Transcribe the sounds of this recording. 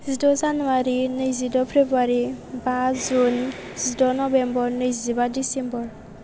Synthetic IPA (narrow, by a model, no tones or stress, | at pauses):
zidɔzanuwaɾinəjzidɔpʰɾebaɾibazun | z̥idɔnɔbɛmbɔɾnəjzibadisɛmbɔɹ